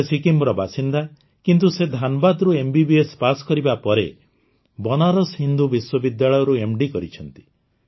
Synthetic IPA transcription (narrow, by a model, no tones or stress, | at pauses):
sikimbɾɔbasind̪a | kint̪̬used̪ʱanɔbad̪ɾuembibiespasɔ̥kɔɾibapɔɾḛ | bɔnaɾɔshind̪ubiswɔbid̪jaɭɔjɔɾuemɖikɔɾit͡ʃʰɔnt̪i̥